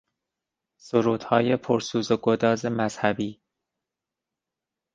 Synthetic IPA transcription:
soɾuːd̪̥hɒːje̞pʰoɾsuːzoɡod̪ɒːze̞mæz̥hæbiː

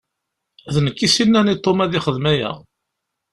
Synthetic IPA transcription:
ðnəkːisinːænit̪ˤːomæðɪχəðmæjæ̰

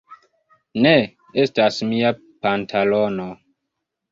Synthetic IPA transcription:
ne | estasmia | pantʰalono

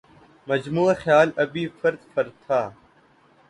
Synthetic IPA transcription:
məd͡ʒmuːaxjaːlɐbiːfəɾt̪fəɾt̪ʰːaː

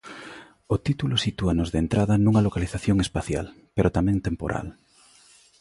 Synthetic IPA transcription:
ot̪it̪ulosit̪uanozðent̪ɾaðɐnuŋɐlokaliθaθjoŋespaθja̰l | peɾot̪amɛ̃ŋt̪empo̰ɾʔa̰l

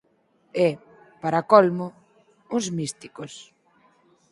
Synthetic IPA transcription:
ɛ | paɾakɔlmʊ | uzmist̪ikos

